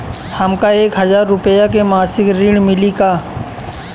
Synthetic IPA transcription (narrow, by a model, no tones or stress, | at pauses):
hɐmkaeːkɦɐzaːɾːʊpəjak̬emaːsɪkɾiɽ̃mɪlikaː